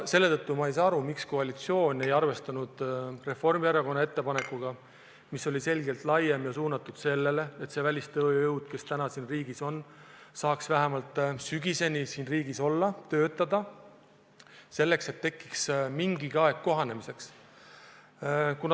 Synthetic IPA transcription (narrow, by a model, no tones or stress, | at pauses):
se̞lːe̞t̪ɤt̪ːumɑejsɑɑɾumiksko̞ɑlʲit̪sio̞ːnʲe̞jɑrve̞st̪ɑnud̪̥re̞fo̞rmiæɾɑko̞nːɑe̞t̪ːe̞pɑne̞kːuɡ̥ɑ | misːo̞lʲise̞lɡe̞lt̪lɑje̞mjɑsuːnɑt̪ːud̪̥se̞lːe̞le̞et̪se̞vælʲist̪ɤːjewd̪̥ke̞st̪ænɑsiːnriːɡiso̞nsɑːksvæɦemɑlt̪ˑsyɡise̞nʲisiːnriːɡiso̞lːɑt̪ø̞ːt̪ːɑd̪̥ɑ | se̞lːe̞kse̞t̪ːe̞kːˑiksmiŋɡiɡ̥ɑe̞ɡ̥kːo̞ɦɑne̞mise̞ks | kun